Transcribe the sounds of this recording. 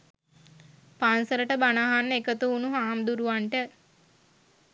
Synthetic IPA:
paːnsəɾəʈəbanaɦanːekət̪uːnuɦaːmd̪uɾuʋaɳʈə

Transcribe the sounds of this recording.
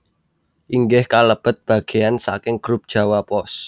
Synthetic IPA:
ʔiŋɡɪhkaləb̥ə̤t̪̚b̥a̤ɡ̥e̤jansa̰kɪŋɡ̥ɾup̚d̥ʒ̥a̤wapɔs

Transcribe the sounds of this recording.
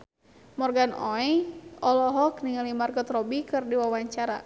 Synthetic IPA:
mɔrɡanɔɛʔɔlɔɦɔkniŋalimarkɔt̪rɔbikɨrdiwawaɲt͡ʃaɾa̰

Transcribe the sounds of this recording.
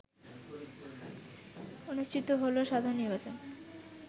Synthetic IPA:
onuʃt͡ɕʰit̪oɦoloʃad̪ʱaɾonːiɾbat͡ɕon

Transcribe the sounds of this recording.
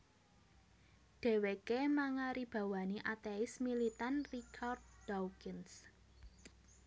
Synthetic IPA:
ɖ̪̥e̤wekemaŋaɾib̥a̤waniʔat̪eɪsmilit̪anrikʰard̪̚dɔwkɪns

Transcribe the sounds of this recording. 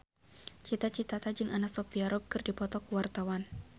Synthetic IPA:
t͡ʃit̪at͡ʃit̪at̪ad͡ʒɨŋʔanak̚sɔpiaɾɔb̚kɨrdipɔt̪ɔkuwart̪awan

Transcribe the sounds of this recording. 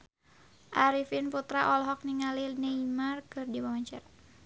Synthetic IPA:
ʔaɾifinput̪ɾaʔɔlɦɔk̚niŋalilneimarkɨrdiwamaɲt͡ʃɛr

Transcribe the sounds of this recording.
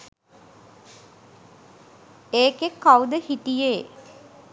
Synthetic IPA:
eːkekːawd̪əhiʈijeː

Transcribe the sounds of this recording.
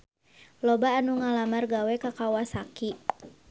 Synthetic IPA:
lɔbaːnuŋalamarɡawɛkakawasaki

